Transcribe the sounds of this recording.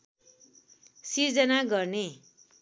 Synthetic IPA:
siɾd͡zʌnaɡʌrne

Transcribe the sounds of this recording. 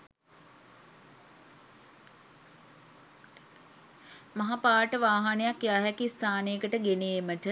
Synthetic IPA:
maɦapaːʈəʋaːɦanəjakjaːɦɛkist̪ʰaːnejəkəʈəɡeneːməʈə

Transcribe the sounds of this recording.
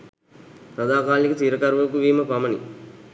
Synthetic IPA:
tɐd̪aːkaːlːikɐt̪iːɾɐkɐɾʋɐkuʋiːmɐpɐmɐni

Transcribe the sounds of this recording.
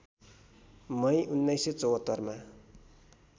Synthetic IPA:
mʌjʔunːʌjsʌt͡sʌwɦʌt̪ːʌrma

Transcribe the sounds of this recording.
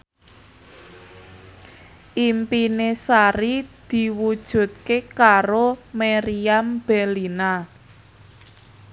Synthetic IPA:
ʔimpinesaɾid̪̥i̤wud̥ʒ̥ṳt̪̚kekaɾomeɾiamb̥ɛlina

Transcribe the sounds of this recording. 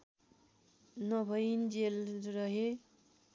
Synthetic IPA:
nʌbʱʌjnd͡zelrʌɦe

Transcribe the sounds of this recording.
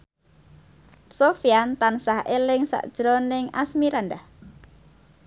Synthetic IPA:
sofiant̪ansahʔelɪŋsa̰ʔd̥ʒ̥ɾɔnɪŋa̰smiɾand̪ah

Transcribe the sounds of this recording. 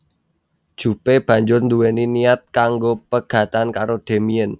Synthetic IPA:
d̥ʒ̥ṳpeb̥ä̤ɲd͡ʒʊrnd̪uweniniat̪̚kaŋɡopəɡ̥ä̤t̪ankaɾod̪̥e̤miən

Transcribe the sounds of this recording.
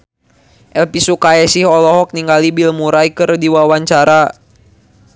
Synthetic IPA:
ʔɛlpisukaɛsihɔlɔɦɔk̚niŋɡalibilmuɾajkɨrdiwawaɲt͡ʃaɾa

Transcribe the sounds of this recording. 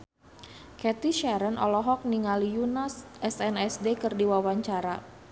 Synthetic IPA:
kɛt̪iʃɛɾənɔ̰lɔɦɔk̚niŋalijunasʔɛsɛnɛsdekərdiwawaɲt͡ʃaɾa

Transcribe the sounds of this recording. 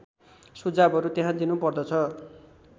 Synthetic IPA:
sud͡zabʌɾut̪jeɦãd̪inupʌrd̪ʌt͡sʰʌ

